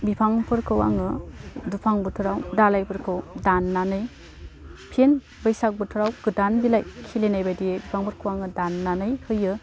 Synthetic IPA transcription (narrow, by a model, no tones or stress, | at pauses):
bipʰaŋpʰɯɾkʰɯwa̰ŋɯdupʰaŋbɯtʰuɾawdalajpʰɯɾkʰɯwdanːanɯj | pʰen | bɯjsak̚bɯtʰuɾawɡɯdanbilajkʰilenajbajdijebipʰaŋpʰɯɾkʰɯwaŋɯdanːanɯjhɯjɯ